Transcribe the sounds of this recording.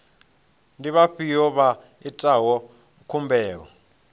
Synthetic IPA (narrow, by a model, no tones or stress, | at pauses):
ndiɓaɸijɔɓa | itʼawɔ | kʰumbʱɛːkɔ